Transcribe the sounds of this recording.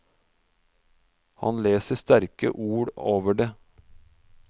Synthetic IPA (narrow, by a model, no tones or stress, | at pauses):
hɑ̰nleːsəst̪æɾkə̰ʔuːɽoːʋəɖeː